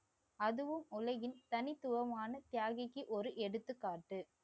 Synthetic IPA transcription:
ɐðɯʋɯmʊlɐɣɪnt̪ɐnɪt̪ːʊʋɐmaːnɐt̪jaːɣɐkːɯʔɔɾɯʔɛɽɯt̪ːɯkːaːʈːɯ

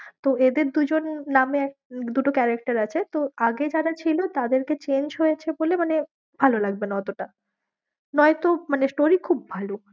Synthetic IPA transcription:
t̪oed̪eɾd̪ud͡ʑonːameɛk̚d̪uʈokɛɾak̚ʈaɾat͡ɕʰet̪oaɡed͡ʑaɾat͡ɕʰilot̪ad̪eɾket͡ɕend͡ʑɦojet͡ɕʰebolemane | bʱalolaɡ̚benaɔt̪oʈa | nɔet̪omanesʈoɾikʰub̚ːʱalo

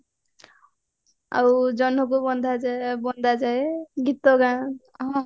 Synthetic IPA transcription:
a̰wd͡ʒɔnɦɔk̬obɔnd̪ʱad͡ʒbɔnd̪ʱad͡ʒaeɡit̪ːɔɡa | ɦɔ̃

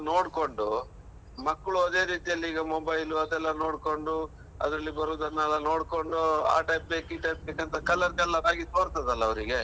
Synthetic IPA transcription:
no̞ːɽko̞ɳɖu | mɐkːɭuɐd̪e̞ːɾiːt̪ijɐlːiiːɡɐmobɐjluɐd̪ɛlːɐno̞ːɽko̞ɳɖu | ɐ̰d̪ɾɐlːibɐɾuːd̪ɐnːɛlːɐno̞ːɽko̞ɳɖua̰ːʈɐjp̚beːkiʈɐjp̚bekɐnt̪ʰɐkɐlɐɾɡɐlːɐɾaːɡit̪oːɾt̪ɐd̪ɐlːɐːʋɾiɡe

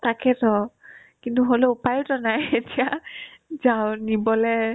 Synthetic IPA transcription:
takɛtɔ | kintuɦoloupajtɔnajetija | zawnibɔlɛ

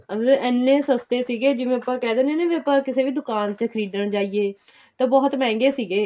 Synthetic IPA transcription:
əɛnːẽːsəst̪eːsiːɡeːd͡ʒɪmẽːəpːãːkɛːd̪eːneːneːʋẽːəpːãːkɪseːʋiːd̪ʊkaːnt͡ʃəkʰəɾiːd̪əɳt͡ʃaːiːeː | t̪ãːbɔːt̪mɛ̃ːŋɡeːsiːɡeː

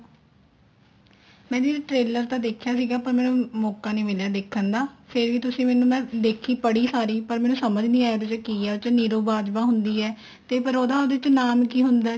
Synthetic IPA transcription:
mɛ̃ːd̪iːɾʈɾeːləɾt̪ãːd̪eːkʰjaːsiːɡaːpəɾmɛ̃ːnũːmɔːkaːnẽːmeːljaːd̪eːkʰːənd̪aːpʰɪɾʋiːt̪ʊsĩːmɛːnũːmɛ̃ːd̪eːkʰːiːpəɽiːsaːɾiːpəɾmɛːnũːsəməd͡ʒnĩːaːoːd̪t͡ʃkiːɛːt͡ʃniːɾoːbaːd͡ʒbaːɦʊnd̪iːɛː | t̪eːpəɾoːd̪aːoːd̪eːt͡ʃnaːmkiːɦʊnd̪aː

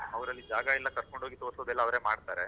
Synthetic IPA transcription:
ɐʋɐɾɐlːid͡ʒaːɡɐilːɐkɐɾko̞ɳɖʱoːɡit̪oːɾsod̪ɛlːɐːʋɾe̞ːmaːɖt̪aːɾe

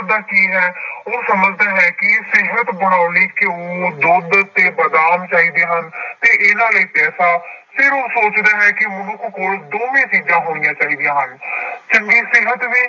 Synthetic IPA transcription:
d̪aːkiːɦɛːoːsəməd͡ʒd̪aːɦɛːkɪsɪɦət̪bəɽ̃aːʊliːkɪoːd̪ʊd̪t̪eːbəd̪aːmt͡ʃaːiːd̪eːɦənt̪eːʔɪːnaːləiːpɛːsaːpʰɪɾoːsoːt͡ʃd̪aːɦɛːkɪmʊnõːkokoːld̪oːʋẽːt͡ʃiːd͡ʒãːɦoːɽijãːt͡ʃaːɦiːd̪ijãːɦənt͡ʃəŋɡiːsɪɦət̪ʋiː

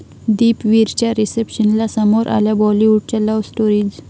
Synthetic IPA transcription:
d̪iːpʋiɾt͡ɕaɾisepɕənlasəmoɾʔa̰ljabɔliʋuɽ̚t͡ɕalɔʋsʈoɾid͡ʑ

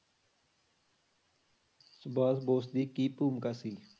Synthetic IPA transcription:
sbaːsboːsd̪iːkiːpuːmkasiː

